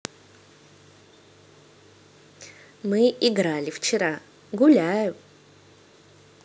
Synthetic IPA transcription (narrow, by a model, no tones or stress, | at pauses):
mɨʔɪɡɾalʲɪft͡ɕɪɾa | ɡʊlʲæjʊ